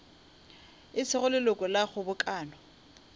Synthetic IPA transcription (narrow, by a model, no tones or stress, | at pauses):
ɪt͡sʰɪχʊlɪlʊkʼɔlaχʊbʊkʼaːnɔ